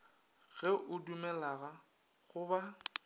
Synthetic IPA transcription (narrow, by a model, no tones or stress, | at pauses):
ɣɛʔʊdumɛlaɣa | ɣʊba